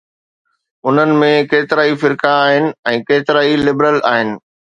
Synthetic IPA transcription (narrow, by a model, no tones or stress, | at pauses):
ʊn̤ənɪ̆mẽkeːt̪ɪɾaːifɪɾkaːɦɪnɪ̆ɛ̃ːkeːt̪ɪɾaːilɪbɾəlaːɦɪnɪ̆